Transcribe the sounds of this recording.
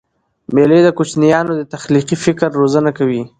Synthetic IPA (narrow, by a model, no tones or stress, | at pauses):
meled̪əkut͡ʃnijɑnod̪ət̪axliqifɪkɾːozənakawi